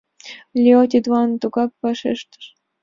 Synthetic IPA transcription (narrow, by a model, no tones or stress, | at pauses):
lʲeot̪ʲid̪wɑnt̪uɡɑk̚pɑʃḛʃt̪ə̥ʃ